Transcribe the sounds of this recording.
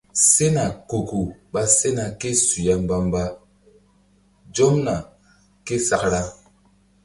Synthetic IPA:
se˦na˨ko˨ku˨ɓa˦se˦na˨ke˦su˨ja˨m˦ba˦mba˦ | d͡ʒo˦mna˨ | ke˦sa˦kɾa˦

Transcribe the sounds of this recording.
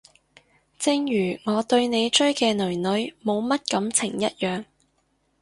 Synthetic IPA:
t͡sɪ˧ŋjyː˨˩ŋɔː˨˧t̪ɵ˧ɥne˨˧jt͡ʃɵ˥ɥkɛː˧nɵ˨˩ɥnɵ˨˥ɥmo˨˧wmɐ˥t̚kɐ˨˧˥mt͡sʰɪ˨˩ŋjɐ˥t̚jœː˨ŋ

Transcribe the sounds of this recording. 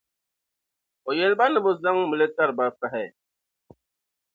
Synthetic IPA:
o˨je˦lba˦nə˨bo˦˨za˦ŋ˦mə˨le˦ta˦˨ɾba˦ɾfa˦ɦɛ˦˨

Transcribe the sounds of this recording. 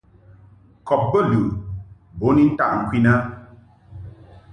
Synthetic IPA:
kɔ˨p̚bə˦˨lu˨ | bo˨˦ni˦n˦ta̰˦˨ʔŋ̩˨kwi˦na˦

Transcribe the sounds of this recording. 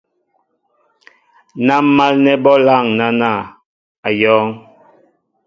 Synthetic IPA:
na˦mː˦a˦lnɛ˦bɔ˦la˦˨ŋna˦na˦˨ | a˨jɔː˦ŋ

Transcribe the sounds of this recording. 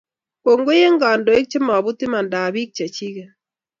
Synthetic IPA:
ko˨ŋɡo˦je˦ŋɡa˨ndo˨˦e˦k̚t͡ʃe˦mɔ˨βu˦tɪ˦ma˨nda˨βi˦k̚t͡ʃa˨t͡ʃi˦kɛ˨

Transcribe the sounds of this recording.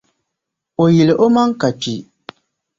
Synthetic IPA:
o˨jɪ˨lɪ˨ʔo˦ma˦ŋ˦ka˨k͡pi˨

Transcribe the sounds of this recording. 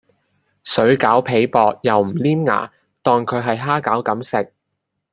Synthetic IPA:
sɵ˨˥ɥkaː˨˥wpʰe˨˧jpɔː˧k̚jɐ˨wm̩˨˩liː˥mŋa̰ː˨˩ | t̪ɔː˨ŋkʰɵ˨˧ɥɦɐ˨jɦaː˥kaː˨˥wkɐ˨˥msɪ˨k̚

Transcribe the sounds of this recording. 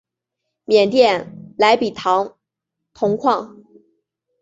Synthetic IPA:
mjɛ˨˩nt̪jɛ˥˩nla˧˥ɪpi˨˩t̪ʰɑ˧˥ŋ | t̪ʰʊ˧˥ŋkʰwɑ˥˩ŋ

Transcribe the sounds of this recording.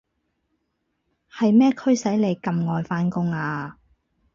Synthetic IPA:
hɐ˨jmɛː˥kʰɵ˥ɥsɐ˨˥jle˨˧jkɐ˨mŋɔː˨jfaː˨˥nkʊ˥ŋaː˧

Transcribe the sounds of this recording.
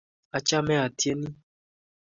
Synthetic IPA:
a˨t͡ʃa˦mɛ̃˦a˨ti˦e˦nĩ˦

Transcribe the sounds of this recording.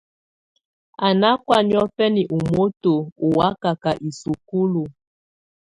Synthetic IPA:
a˨na˦kwa˦njɔ˦fɛ˦ni˨ʔu˨mo˦to˨u˨wa˦ka˨ka˨ʔi˨su˨ku˦lu˨

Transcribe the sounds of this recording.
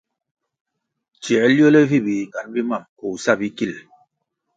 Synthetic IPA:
t͡ʃɛ˨˦ljo˦lɛ˦vi˦˨bi˨ŋɡa˨n˦bi˦ma˦˨mko˨sa˦˨bi˦ki˦˨l

